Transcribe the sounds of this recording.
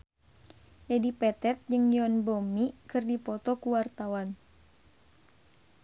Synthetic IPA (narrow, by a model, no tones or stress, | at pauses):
lɛdipɛt̪ɛt̪̚d͡ʒɨŋjɔnbomikɨrdipɔt̪ɔkuwart̪awan